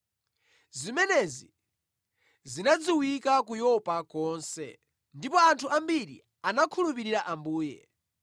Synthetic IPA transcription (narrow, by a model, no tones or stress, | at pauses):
zimɛnɛzi | zinad͡ziwikak̬ujɔpakɔːnsɛ̰ | ndipɔantʰuambiɾḭ | anakʰulupiɾiɾaʔambuːjɛ̰